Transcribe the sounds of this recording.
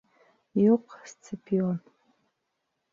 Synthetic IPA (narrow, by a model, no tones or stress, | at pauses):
juqst͡sʰɨpʰion